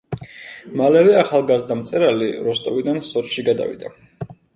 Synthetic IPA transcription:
malɛvɛaχalˠɡazd̪amt̪sʼɛɾaliɾɔst̪ʼɔvid̪ansɔt̪ʃiɡad̪a̰vḭd̪a̰

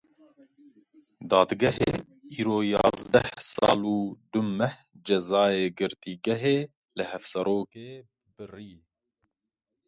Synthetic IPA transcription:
d̪ɑːd̪ɡɛɦḛ | iːɾoːjɑ̰ːzd̪ɛ̰hsɑ̰ːluːd̪ʊmːɛh | d͡ʒɛzɑːeːɡɨɾt̪iːɡɛɦeː | lɨhɛfsɛɾoːkeː | bɨriː

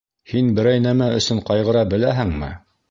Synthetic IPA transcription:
hinbɘ̆ɾæjnæmæɵ̆sɵɴqɑjʁɤ̆ɾɑbɘ̆læɦɘŋmɘ̰

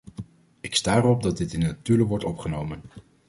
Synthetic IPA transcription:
ɪkstaːrɔb̚dɑd̚ɪtɪnətyləʋɔɹtɔpχənowmən

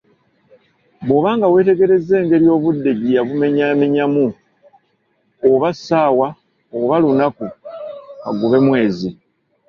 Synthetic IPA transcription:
βo̞ːβaːŋɡawe̞ːte̞ɡe̞ɾe̞ze̞ːŋɡe̞ɾjo̞ːβudːe̞ɟijaβume̞ɲame̞ɲamu | oβasaːwa | oβalunaku | βa̰ɡuβe̞mwe̞ːzi

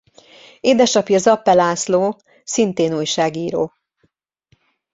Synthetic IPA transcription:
eːd̪ɛʃɒpjɒzɒpːɛlaːsloː | sint̪eːnuːjʃaːɡiːɾoː

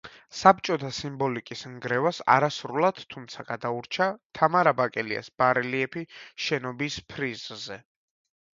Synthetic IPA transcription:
sap̚t͡ʃʼɔt̪ʰasimbɔlikʼisŋɡɾɛvasa̰ɾasɾulˠad̪̥t̪ʰːumt̪sʰaɡ̥ad̪auɾt͡ʃʰat̪ʰamaɾabakʼɛlia̰sb̥aɾɛliɛpʰiʃɛnɔbispʰɾizzɛ

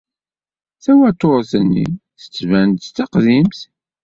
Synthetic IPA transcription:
θæwæt̪ːoɾˤθənːḭθə̥t͡sːvænt̪t͡s̪ːɑqðimθ

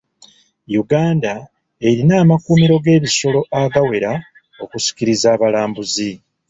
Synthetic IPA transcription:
juɡaːnda | e̞ɾinaːmakumiɾo̞ɡe̞ːβiso̞lo̞ʔaɡawe̞ɾa | o̞kusi̥kiɾizaːβalaːmbuzi

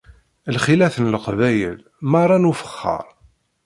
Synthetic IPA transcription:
lχilæθənlqvæjə̰l | mɑrˤːɑnufə̥χːə̰ɾˤ

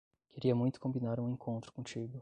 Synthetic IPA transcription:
keɾiɐmũj̃t̪ʊ̥kõmbinaɾũẽkʰõnt̪ɾʊ̥kõt͡ʃiɡʊ

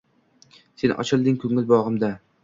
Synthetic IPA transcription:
se̞nɒ̰t͡ʃʰɪlˠd̪ɪŋkʰɵŋɪlbɒʁɨmd̪a

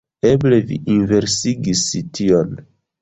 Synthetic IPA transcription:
eble̞vḭʔinve̞ɾsiɡisition

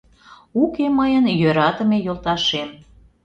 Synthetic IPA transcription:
ukeməjənjøɾɑt̪əmejolˠt̪ɑʃem

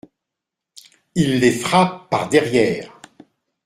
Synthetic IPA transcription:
ilːefχappa̰ʁd̪ɛʁjɛːʁ

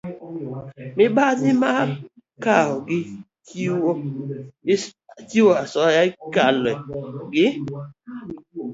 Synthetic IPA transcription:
mɪbazɪma | kaɦɔɡɪ | t͡ʃiwo | t͡ʃiwoasɔjaikalɛɡɪ

